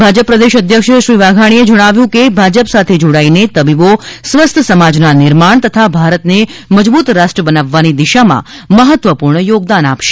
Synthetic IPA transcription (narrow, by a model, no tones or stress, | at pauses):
bʱad͡ʒəpːɾəd̪eʃəd̪ʱjəkʃʃɾiʋaɡʱaɽ̃ied͡ʒəɽ̃aʋjũkebʱad͡ʒəpsat̪ʰed͡ʒoɽainet̪əbibosʋəst̪ʰəsəmad͡ʒnanɪɾmaɳ̃t̪ət̪ʰabʱaɾət̪neməd͡ʒbut̪ɾasʈɾəbənaʋːanid̪iʃamã̰ | məɦət̪ʋəpuɾɳəjoɡd̪anapʃe̥